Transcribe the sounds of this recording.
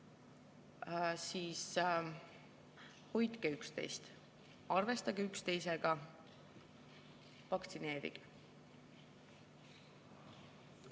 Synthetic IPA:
siːs | ho̞jt̪keykst̪e̞̰jst̪ | ɑrve̞st̪ɑɡeykst̪e̞jse̞ɡ̥ɑ | vɑkt̪sine̞ːɾḭɡ̥

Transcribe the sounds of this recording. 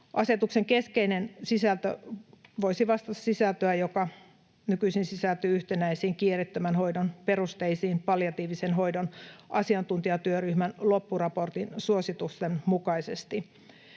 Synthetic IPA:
ʔɑse̞t̪ukse̞ŋkeskeinensisælt̪ø̰ʋo̞isiʋɑst̪ɑt̪ɑ̥ssisælt̪øæjokɑ | nykyisinsisælt̪yːyht̪enæisiːŋkiːrit̪ːømænɦo̞jdonpe̞ɾust̪eisiːmpɑljɑt̪iːʋisenɦo̞jdonʔɑsiɑnt̪unt̪iɑt̪yøryhmænlo̞pːurɑpo̞rt̪insuosit̪ust̪enmukɑisest̪i

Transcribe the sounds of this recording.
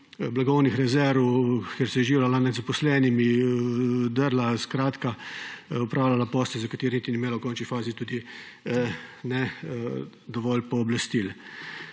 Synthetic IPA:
blaɡɔwnixɾɛzɛɾʋwkɛɾsɛjɛʒiːwlalanɛd̪zapɔslɛːnimi | d̪əɾlaskɾaːt̪ka | ɔpɾʔaːwlalapɔːst̪ɛzakat̪eːɾnit̪inimeːlɐwkɔnt͡ʃnifaːzit̪uːd̪i | nɛ | d̪ɔʋɔlpɔːblast̪il

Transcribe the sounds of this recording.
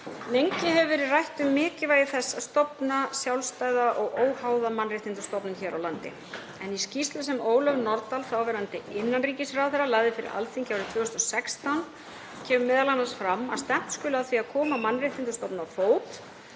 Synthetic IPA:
nejɲcɪɦɛvʏvɛːɾɪðrajht̪ʏmːɪːcɪvaːjɪθɛsːaðst̪ɔpnasjawlst̪aːjðaʔɔɣoːwhaːwðamanrɪht̪int̪ʏ̥st̪ɔpnʏnçɛːɾawlant̪ɪ̰ | ɛniscist̪lʏsɛmoːwlœvnɔɾt̪alθawvɛːɾant̪ɪɪnːanriːcɪsraːðθɛɾːalajɣðɪfɪɾɪ̰ɾa̰lfiŋcawɾɪt̪ʰvœːhʏst̪ɔsɛkst̪awn | cʰɛːmʏmɛːðalanasfɾamːaðst̪ɛm̥t̪skʏːlʏaðθviaðkʰɔːmamanːrɪht̪int̪ʏ̥st̪ɔpnafoːwt̪

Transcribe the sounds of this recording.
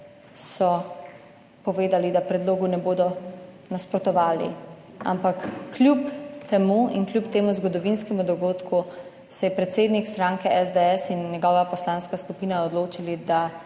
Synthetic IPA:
sɔ | pɔʋeːd̪alid̪apɾɛd̪loːɡunɛboːd̪ɔ | naspɾɔt̪ɔʋaːlḭ | a̰mpakːlʲjupt̪ɛmuḭnklʲjupt̪eːmuzɡɔd̪ɔʋinskɛmud̪ɔɡoːt̪ku | sɛjɛpɾɛt̪seːd̪nikst̪ɾaŋkɛʔɛzd̪eɛsinːjɛɡɔːʋapɔslaːnskaskupiːnaɔd̪loːt͡ʃilid̪a

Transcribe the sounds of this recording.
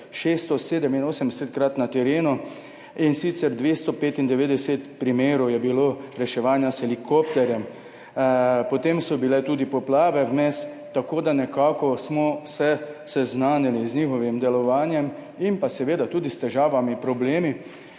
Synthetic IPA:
ʃeːst̪ɔseːd̪ɛminoːsɛmd̪ɛsɛt̪kɾat̪nat̪ɛɾeːnu | insit̪sɛɾd̪ʋeːst̪ɔpeːt̪ind̪ɛʋeːd̪ɛsɛt̪pɾimeːɾɔwjɛbiloɾɛʃɛʋaːnjasxɛlikopt̪ɛɾjɛm | pɔt̪emsɔbilɛt̪uːd̪ipɔplaːʋɛwmɛs | t̪ːakoːd̪anɛkaːkɔsmɔsɛsɛznaːniliznixɔʋimd̪ɛlɔʋaːnjɛm | impasɛʋeːd̪at̪uːd̪ist̪ɛʒaːʋamipɾɔbleːmi

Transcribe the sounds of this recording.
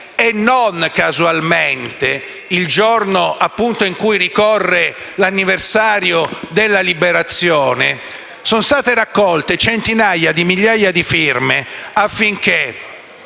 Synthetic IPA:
enːonkazualment̪e | ild͡ʒornoʔapːunt̪oiŋkujɾikɔrːelanːiversaːɾjod̪elːalibeɾat̪sːjoːne | sonst̪aːt̪eɾakːɔlt̪et͡ʃent̪inajad̪imiʎːaːjad̪ifirmeafːiŋke

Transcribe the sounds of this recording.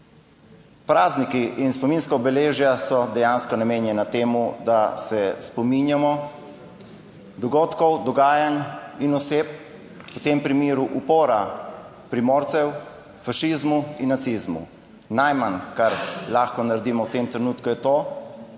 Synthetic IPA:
pɾaːznikiʔinspɔminskaɔbɛleːʒjasɔd̪ɛjanskɔnameːnjɛnat̪eːmud̪asɛspɔminjamɔ | d̪ɔɡoːt̪kɔwd̪ɔɡaːjaninɔseːp | wt̪empɾimeːɾuʔupoːɾa | pɾimoːɾt̪sɛw | faʃizmuinːat̪sizmṵ | najmankaɾlaːxkɔnaɾɛd̪iːmɔwt̪eːmt̪ɾɛnuːt̪kujɛt̪oː

